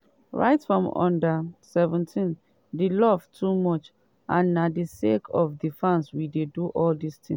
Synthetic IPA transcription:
ɹa̰ɪtfɹɔ̃mɔ̰̃ndəsɛvɛ̃ntʰĩn | dilɔv̥tʰumɔt͡ʃ | ʔãnːadisekʰɔfdifãnswideduʔɔldistʰĩŋ

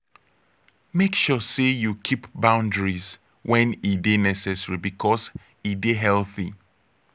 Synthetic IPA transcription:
mekʃɔsejukʰipbãʊ̃ndɹiz | wɛ̃nidenɛsɛsəɹibikʰɔs | ideɦɛlˠθḭ

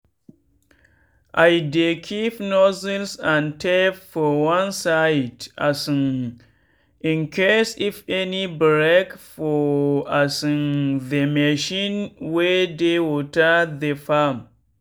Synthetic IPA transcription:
ʔajdekʰipnɔzilsãntɛfɔwãnsajda̰sĩn | ĩnkʰɛsifɛnibɾekfɔasĩnðemɛʃĩnwɛdewotaðefam

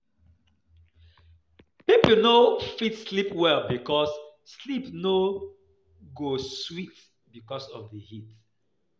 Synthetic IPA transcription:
pipl̩nofitslipwɛlbikɔsslipno | ɡoswit | bikɔsɔ̰vdəhit

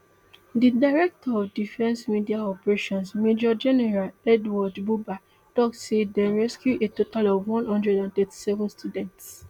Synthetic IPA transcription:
didaɪɹɛk̚tʰɔɔvdifɛ̃nsmidiaɔpɛɹeʃɔ̃nsmed͡ʒɔd͡ʒɛnɛɹalɛdwɔdbuba | tɔktsedɛɹɛskjuʔetotalɔvwɔ̃nhɔ̃ndɹɛdãntɛti̥sɛvɔ̃nstudɛ̃nts

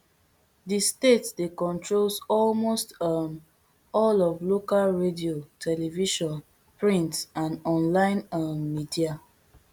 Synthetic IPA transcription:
distetsdekɔ̃ntɹolsɔlmostam | ɔlɔvlokalɹediotʰɛlɛviʃɔ̃n | pɹĩntsãnɔ̃nlãɪ̃namːidia

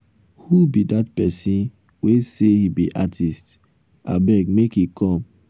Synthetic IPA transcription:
hubidatpɛsĩn | wesehibḭʔatʰist | a̰bɛɡmekikʰɔ̃m

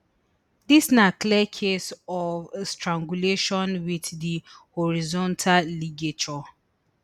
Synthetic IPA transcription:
disnakliɛkʰesɔvstɹãŋɡuleʃɔ̃nwiðdihɔɹizɔ̃ntʰalliɡet͡ʃɔ

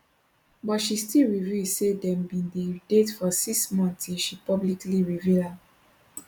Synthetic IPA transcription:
bɔtʃistilɹivjusedɛ̃mbĩndedetfɔsiksmɔ̃ntiʃipɔblikliɹivila

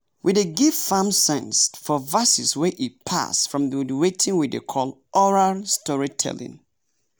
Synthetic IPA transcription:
wʔideɡiv̥fãmsɛ̃nsfɔvasiswɛʔit̚pʰa̰sfɹɔ̃mðədwetʰĩŋwidḛkʰɔlˠʔɔɹastɔɹitʰɛ̰lḭ̃ŋ

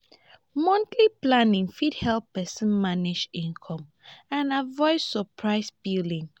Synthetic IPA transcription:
mɔ̃ntʰliplãnĩŋfidhɛlpɛsə̃nmanid͡ʒĩnkʰɔ̃m | ãnavɔɪdsəpʰɹaɪsbidĩŋ

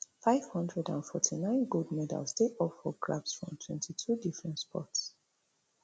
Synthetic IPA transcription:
faɪv̥hʌ̃ndɹɛdã̰nfɔtʰinãɪ̃nɡoldmɛda̰lsteʔɔpfɔɡlabsfɹɔ̰̃mtʰwɛ̰̃ntʰitʰudifɹɛ̃ntspʰɔ̰ts

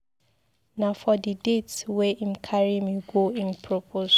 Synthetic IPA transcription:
nafɔdidetswɛʔĩmkʰaɹimuɡoĩnpʰɹɔpʰoʃ

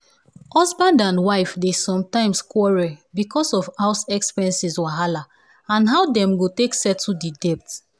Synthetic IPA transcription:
ɔsbãndãnwaɪfdesɔ̃mtãɪ̃mskwɔɹɛbikɔsɔfhaʊsɛkspɛɛ̃nsiswaɦala | ãnɦaʊdɛ̃mɡoteksɛtʰːudidɛp̚t

